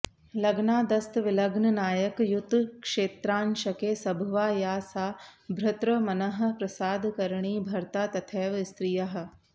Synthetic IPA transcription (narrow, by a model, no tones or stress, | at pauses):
lɐɡnaːd̪ɐst̪ʋɪlɐɡnɐnaːjɐkjut̪ːkʂeːt̪ɾaːnʃɐkeːsɐbʱʋaːjaːsaːbʱɾɐt̪ɾɐmɐnɐɦɐ̆pɾɐsaːd̪ʱkɐɾɳ̃iːbʱɐɾt̪aːt̪ɐt̪ʰeːʋst̪ɾɪjɐɦɐ̆